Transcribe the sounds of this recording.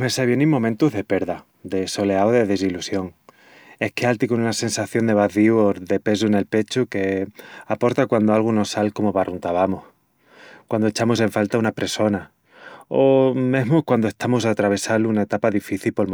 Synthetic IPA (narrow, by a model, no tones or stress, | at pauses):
meseβje̞nejmomẽnt̪uɦðe̞pe̞ɾða | d̪e̞so̞le̞aoðe̞ðe̞s̬ilusjo̞ŋ | e̞hkealt̪iko̞nunase̞nsaθjo̞nd̪e̞β̞aθiuoðe̞pe̞s̬uene̞lpe̞t͡ʃuke̞apo̞ɾt̪akwand̪oalɣ̞uno̞sːalko̞moβarunt̪aβamoh | kwand̪oe̞t͡ʃamos̬e̞ɱfalt̪aunapɾeso̞na | ome̞ɦmokwand̪oe̞hst̪amos̬at̪ɾaβ̞e̞salunae̞t̪apaðifiθilpo̞lm